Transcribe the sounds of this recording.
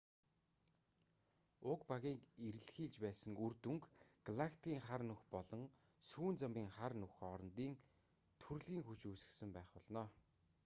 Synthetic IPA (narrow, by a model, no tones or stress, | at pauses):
ʊkpaɣʲiːkeɾɘ̆ɮxiːɮt͡ɕpæːsə̆ŋurt̪uŋkɡ̥aɮakʰt̪iːŋχarnɵxpɔɮɞ̆ŋ | suːnt͡sămʲiːŋχarnuxɔɾɞ̆nt̪iːŋ | t̪ʰurɮɣiːŋxut͡ɕusɘ̆ksɘ̆mpæːχpɔɮnɔː